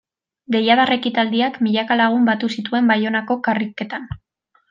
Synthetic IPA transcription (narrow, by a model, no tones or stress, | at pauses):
ɡe̞jaðare̞kit̪ald̪iakmiʎakalaɣ̞umbat̪usit̪ue̞mbajo̞nako̞karike̞t̪an